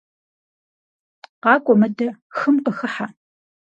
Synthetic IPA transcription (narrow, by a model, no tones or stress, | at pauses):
qɑːkʷʼɔmɐdɐxɨmqəxɨħa